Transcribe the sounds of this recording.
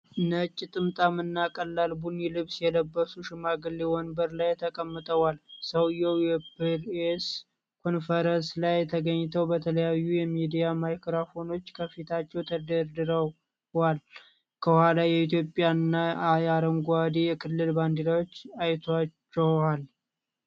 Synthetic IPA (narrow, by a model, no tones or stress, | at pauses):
nət͡ʃʼːit̪ʼɨmt̪ʼamɨnːakʼəlːalbunilɨβsjɛləbːəsuʃɪmaɡɨlːewɔnbəɾlajt̪ʰəkʼəmːət̪ʼəwalsəwjɛwjɛpes | kʰo̞nfəɾənslajt̪ʰəɡəɲːt̪ʰəwbət̪ʰələjajːujɛmid̪ijamajkɾafo̞no̞t͡ʃːkʰəfit̪ʰat͡ʃːɛwt̪ʰəd̪əɾd̪ɨɾə | wal | kʰəhʊhalajɛit̪̬jo̞pʼjanːajaɾəŋɡad̪ejɛkʰɨlːɨlband̪elawot͡ʃːajt̪ʰat͡ʃːɛal